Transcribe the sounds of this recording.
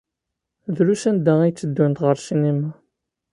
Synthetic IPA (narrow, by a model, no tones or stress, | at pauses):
ðɾuʃænd̪æijt͡sːəd̪ːunt̪ʁəɾʃinimæ